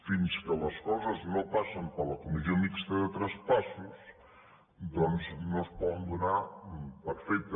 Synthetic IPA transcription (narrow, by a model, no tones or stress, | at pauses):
finskələskɔzəznopaʃəmpələkumiziomikst̪əðət̪ɾəspasus | d̪ɔnznospɔðənd̪unapəɾfɛjt̪ə